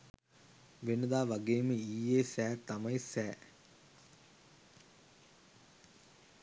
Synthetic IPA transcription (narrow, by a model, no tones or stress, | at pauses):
ʋenəd̪aːʋaɡeːməiːeːsæːt̪amɐjsæː